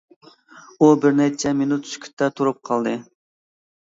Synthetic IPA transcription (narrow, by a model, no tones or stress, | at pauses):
ubɪɾnɛt͡ʃʰɛminut̪sy̥kʲʰy̥t̪ːɛt̪ʰuɾup̚qʰɑlˠd̪ɨ